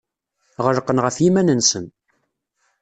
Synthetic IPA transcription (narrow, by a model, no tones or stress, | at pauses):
ʁəɾqːənʁəfjimænənsən